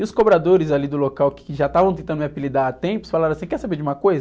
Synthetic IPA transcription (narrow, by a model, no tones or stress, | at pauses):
ɪʊskobɾad̪oɾɪzalid̪ʊlokawkɪ̥kɪʒat̪avɐ̃w̃t̪ẽnt̪ɐ̃d̪ʊmiapilid̪aɾat̪ẽpʊsfalaɾ̃ɐ̃asĩkɛɾsabeɾd͡ʒɪũmɐkojzɐ